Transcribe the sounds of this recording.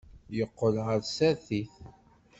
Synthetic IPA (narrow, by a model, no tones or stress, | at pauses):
jəqːəlʁəɾsæθiθ